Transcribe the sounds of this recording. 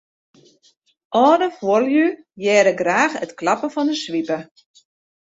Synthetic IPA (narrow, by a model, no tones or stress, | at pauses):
ʔɔːdəfwoljy | jɛːɾəɡraːxətklɑpəfɔndəsʋipə